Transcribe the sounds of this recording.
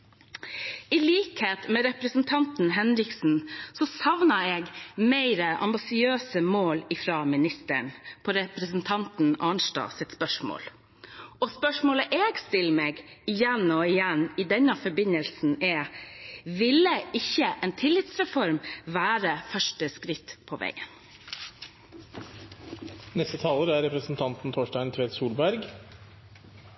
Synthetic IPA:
ɪliːkheːt̪mɛɾɛpɾəsnt̪ʰɑnt̪n̩ɦɛnɾɪksn̩sɔsɑʋnəeːɡmeɪɾəʔɑ̰mbɪsɪøːsəmoːlɪfɾɑːmɪnɪst̪ə̰ɳpʰɔɾɛpɾəsnt̪ʰɑnt̪n̩ɑːɳʂʈɑ̰ːsɪt̪spœʂmo̰ːl | ɔspœʂmoːləʔeːɡst̪ɪlmeːɡɪjɛnɔɪjɛnːiːd̪ɛnːəfɔɾbɪnəlsn̩ɛː | ʋɪlːəɪçːəʔeːnt̪ʰɪlːɪt̪sɾɛfɔɾmʋæːɾəfœʂʈəskɾɪt̪ːpʰoʋʔɛ̰ɪən | nɛst̪ət̪ʰɑːləɾæɾɛpɾəsn̩t̪ʰɑnt̪n̩t̪ʰoːʂʈæɪnt̪ʰʋeːt̪suːlbæɾɡ

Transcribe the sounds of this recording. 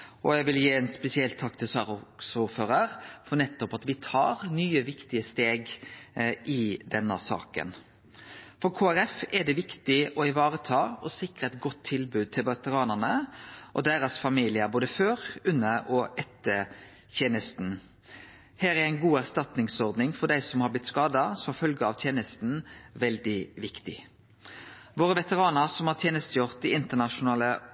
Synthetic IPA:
ʔɔjæɡʋɪljeːɛːnspɛsɪɛlt̪ʰːɑkːt̪ʰɪlsɑːɾsɔføːɾəɾfɔɾnɛt̪ːɔpɑt̪ʋɪt̪ʰɑ̰ːɾnyːəʋɪkt̪ɪəst̪eːɡ | ʔɪd̪ɛnːə̰sɑ̰ːkə̰n | fɔɾkʰoːæɾɛfɛɖ̪ɛʋɪkt̪ɪʔɔɪʋɑːɾət̪ʰɑːɔsɪkɾəɛt̪ɡɔt̪ʰːɪlbʉːd̪̚t̪ʰɪlʋɑt̪əɾɑːnənəʔɔ̰d̪æːɾɑsfɑmiːlɪəboːd̪əføːʁʉnːəɔʔɛt̪ːə | t̪ʰjeːnəst̪n̩ | hæːɾæɾæɪnɡuːæʁst̪ɑt̪nɪŋsɔʁd̪nɪŋfɔd̪æɪsɔmhɑɾblɪt̪skɑːd̪ɑsɔmfœlɡəɑʋt̪ʰjeːnəst̪n̩ʋɛld̪ɪʋɪkt̪ɪ | ʋoːʁəʋɛt̪əʁɑːnəɾsɔmhɑːɾt̪ʰjeːnəst̪əjʊʁt̪̚d̪ɪɪnt̪ənɑʃʊnɑːlə

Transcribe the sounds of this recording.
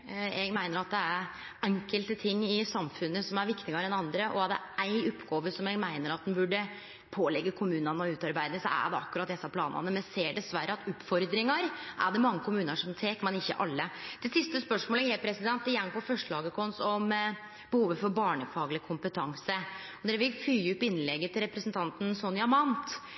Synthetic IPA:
ɛɡmæɪnəɾɑt̪̚d̪ɛæɾ | ɛŋkəlt̪ət̪ʰɪŋːɪsɑmfʉnːəsɔmæɾʋɪkt̪ɪɡɑɾəɛnɑnd̪ɾəʔɔæɖɛ̰ʔæɪʊpːɡoːʋəsɔmjɛɡmæɪnəɾɑt̪̚d̪ɛnbʉɖːə | pʰoːlɛɡːəkʰʊmʉːnɑnəɔʉːt̪ɑɾbæɪd̪əsɔ̰æ̰ɖɛɑ̰kːʉɾɑt̪̚d̪ɛsːɑpʰlɑːnɑ̰nəmɛnseːɖɛsʋæɾːəɑt̪ʊpfɔɾd̪ɾɪŋɑɾʔæ̰ɖɛmɑŋːəkʰʊmʉːnəʂɔmt̪ʰeːkmɛnɪçːəʔɑlːəd̪̥ɛsɪst̪əspœʂmoːləhɛɪt̪̚pʰɾɛsɪd̪ɛnt̪ːɪjɛŋːpɔfœʂʈəlɑːɡəkʰɔnsɔm | b̥əhuːʋəfɔɾbɑːɳəfɑːɡlɪkʰʊmpət̪ʰɑŋsə | ɔd̪ɛɾʋɪlfyːʊpːɪnːlɛɡːət̪ʰɪlɾɛpɾəsənt̪ʰɑnt̪n̩sɔnjɑmɑnt̪

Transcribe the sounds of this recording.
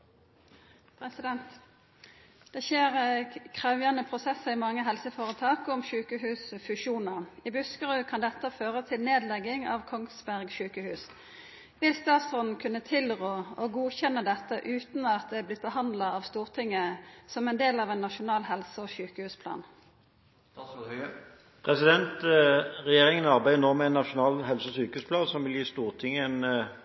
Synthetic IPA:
pʰɾɛsɪd̪ɛnt̪ | d̪̥ɛçeːʁkʰʁɑʉʋjɑnəpʰʁʊsɛsːəɪmɑŋːəɦɛlsəfoːʁət̪ʰɑːkɔmʃʉːkəhʉːsfʉʃuːnəʁɪbʉskəʁʉːkʰɑnd̪ɛt̪ːəføːʁət̪ʰɪlneːd̪lɛɡɪŋɑ̰ʋkʰɔŋsbæʁɡʃʉːkəhʉːs | ʋɪlst̪ɑːt̪sɔnn̩kʰʉnːət̪ʰɪlʁoːɔɡuːçɛnːəd̪ɛt̪ːəʔʉːt̪nɑt̪̚d̪ɛæblɪt̪̚bəhɑnd̪lɑɑʋst̪uːʁt̪ʰɪŋːəsɔmɛnd̪eːlɑʋɛnːɑʃʊnɑːlhɛlsəɔsyːkəhʉːspʰlɑ̰ːn | pʰʁɛsɪd̪ɛnt̪ʁɛjeːʁɪŋənɑʁbæɪnoːmɛɛnːɑʃʊnɑːlɦɛlsəɔsyːkəhʉːspʰlɑːd̪sɔmʋɪljiːst̪uːʁt̪ʰɪŋːəɛn

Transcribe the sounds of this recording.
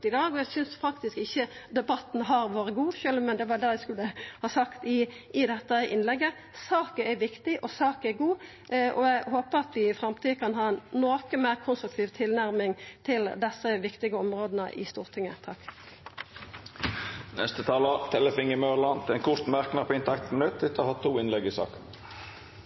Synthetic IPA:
ɪd̪ɑːɡɔæɪsʏnsfɑkt̪ɪskɪçːəd̪ɛbɑt̪ːn̩ɦɑɾʋoːɾəɡuːʃølmɛnd̪ɛʋɑd̪ɛːæɪskʉlːəhɑːsɑkt̪ɪ | ɪd̪ɛt̪ːəʔɪ̰nlɛɡːə | sɑːkəæɾʋɪkt̪ɪʔɔsɑːkəɛɾɡuː | ʔɔæɪɦoːpəɾɑt̪ʋɪɪfɾɑmt̪ʰiːkʰɑnɦɑːɛnnoːkəmæːʁkʰʊnst̪ɾʉkt̪ʰiːʋt̪ʰɪlnæʁmɪŋt̪ʰɪld̪ɛsːəʋɪkt̪ɪɡəɔmʁoːd̪ənə̰ʔɪ̰st̪uːʁt̪ʰɪŋːət̪ʰɑkː | nɛ̰st̪ət̪ʰɑːlət̪ʰɛləfɪŋɪmœʁlɑnt̪ʰɪlɛnkʰʊʁt̪mæʁknɑɾpʰɔɪnt̪ʰɑk̚t̪mənʉt̪d̪ɪt̪ʰːəhɑt̪ʰːuːɪnlɛɡɪsɑ̰ːkən

